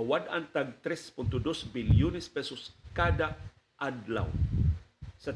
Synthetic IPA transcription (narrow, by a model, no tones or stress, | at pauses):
awadant̪aɡ̚t̪ɾɛspʊnt̪ʊd̪osbiljunɛspɛsɔskad̪a | ʔad̪la̰w | sa